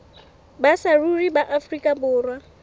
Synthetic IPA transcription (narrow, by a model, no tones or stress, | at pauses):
basaruribaʔafrikʼabʊːrwa